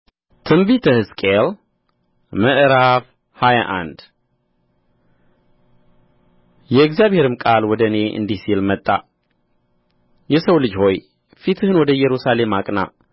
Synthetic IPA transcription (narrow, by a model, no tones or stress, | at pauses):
t̪ʰɨmbit̪ʰəhɨskʼel | məʔɾaf | haja̰ʔa̰nd̪ | jɛɪɡzjaβhe̞ɾɨmkʼalwɔd̪əne̞ʔɨ̰nd̪isilmət̪ʼːa̰ | jɛsəwlɨd͡ʒho̞j | fit̪ʰɨhɨnwɔd̪əjɛɾusale̞makʼna̰